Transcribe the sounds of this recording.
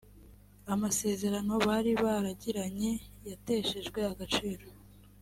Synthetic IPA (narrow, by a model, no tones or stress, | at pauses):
amase̞ːze̞ɾano̞βaɾiβaɾaɟiɾaɲe̞jate̞ʃe̞ʒɡwe̞aɡat͡ʃiːɾo